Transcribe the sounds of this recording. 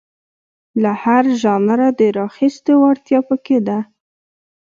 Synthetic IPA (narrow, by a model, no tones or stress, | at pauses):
lahaɾʒɑnaɾad̪əɾɑxist̪ewaɽt̪jɑpəked̪a